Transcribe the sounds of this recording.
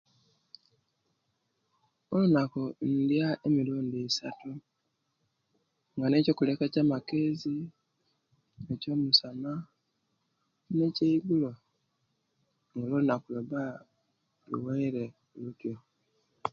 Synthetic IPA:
olunakon̩djaemiluːndiːsatu | ŋɡane̞ːco̞ːkulekacaːmakezi | eco̞ːmusana | ne̞ceiɡulo | ŋɡalolunakuloba | lṵweiɾe | lutjo

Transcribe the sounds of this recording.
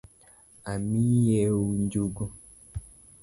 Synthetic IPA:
amĩjɛwund͡ʒuɡo

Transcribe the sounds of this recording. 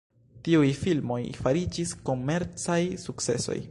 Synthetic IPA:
tiujfilmo̞jfaɾid͡ʒisko̞me̞ɾt͡sajsukt͡se̞̰so̞̰j

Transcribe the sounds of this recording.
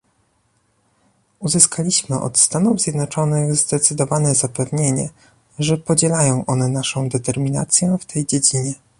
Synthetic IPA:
uzɘskʰalʲiɕmɘʔɔ̰t̪st̪anuvzʲjɛd̪nɔt͡ʂɔnɘɣzd̪ɛt̪sɘd̪ɔvanɛzapɛvɲeɲɛ̰ | ʐɛpɔd͡ʑɛlajɔ̃w̃ʔɔnɛnaʂɔ̃w̃d̪ɛt̪ɛɾmʲina̰t̪sʲjɛft̪ʰɛjd͡ʑed͡ʑiɲɛ

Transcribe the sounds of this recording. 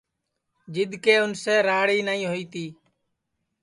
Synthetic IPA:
d͡ʒɪd̪keːʊnseːɾaːɽiːnəĩːɦoːiːt̪iː

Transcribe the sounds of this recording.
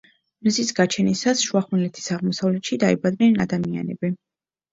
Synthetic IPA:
mzisɡat͡ʃʰɛnisasʃuaχmɛlɛt̪ʰi̥saʁmɔsavlɛt̪ʃid̪aibad̪nɛnad̪amia̰nɛ̰bi

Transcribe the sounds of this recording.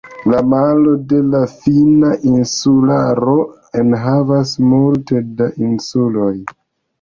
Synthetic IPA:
lamalo̞de̞lafinaʔinsulaɾo̞ | enɦavasmulte̞daʔinsulo̞j

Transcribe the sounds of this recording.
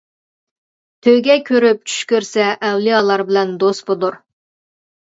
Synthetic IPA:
t̪ʰøɡʲɛkʲʰøɾyp̚t͡ʃʰy̥ʃkʲøɾsɛʔːwlɨjɑlˠɑɾbɪlɛnd̪ost̪bolˠuɾ

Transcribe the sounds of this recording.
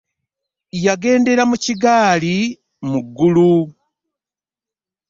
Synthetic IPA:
jaɡe̞ːnde̞ɾamuciɡaːli | muɡːulu

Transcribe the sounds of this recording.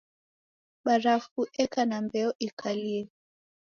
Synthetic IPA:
ɓaɾafuʔɛkanambɛɔʔikʰaliɛ

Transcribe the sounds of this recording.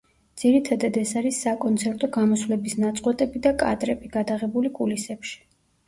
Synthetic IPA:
d̪z̥iɾit̪ʰad̪ad̪ɛsaɾisːakʼɔnt̪sʰɛɾt̪ʼɔɡamɔsvlɛbisnat̪sʼqʼwɛt̪ʼɛbid̪akʼad̪ɾɛbiɡad̪aʁɛbulikʼulisɛpʃi̥

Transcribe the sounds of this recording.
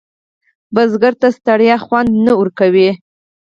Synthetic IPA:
bazɡaɾt̪ast̪aɽjɑxwand̪naʊɾkawi

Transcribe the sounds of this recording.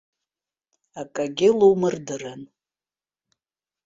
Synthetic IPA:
akʼaɡʲɪlowmɨrdɨran

